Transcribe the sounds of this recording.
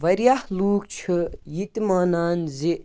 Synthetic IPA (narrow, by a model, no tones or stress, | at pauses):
ʋɐɾjahluːkt͡ʃʰɨjit̪maːnaːnzi